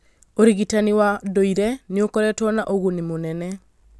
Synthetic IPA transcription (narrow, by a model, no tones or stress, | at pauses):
oɾiɣitaniwadoiɾɛneokɔɾɛtɔnaʔoɣonemonɛnɛ